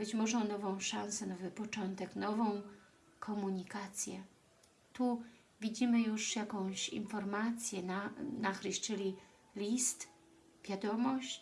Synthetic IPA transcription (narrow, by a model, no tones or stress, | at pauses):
bɘt͡ɕmɔʐɛ̃nɔvɔ̃w̃ʂansɛnɔvɘpɔt͡ʂɔnt̪ɛknɔvɔ̃w̃ | kʰɔmuɲikat̪sʲjɛ | t̪u | vʲid͡ʑimɘjuʂjakɔ̃w̃ɕḭnfɔɾmat̪sʲjɛnanaxɾɘɕt͡ʂɘlʲi | lʲist̪ | vʲjad̪ɔmɔɕt͡ɕ